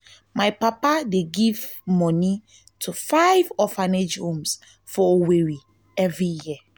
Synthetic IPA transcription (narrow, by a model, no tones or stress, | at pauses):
majpapadeɡivmɔ̃ni | tʰufaɪvɔfãned͡ʒhũms | fɔoweɹi | ɛvɹijiə